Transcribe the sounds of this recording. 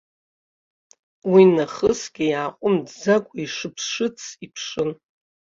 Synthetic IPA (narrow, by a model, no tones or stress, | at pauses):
winaχəsɡʲijaːqʷʼʊmdzakʷʼaiʂɨpʰsʂɨt͡sʰipʰʂɨn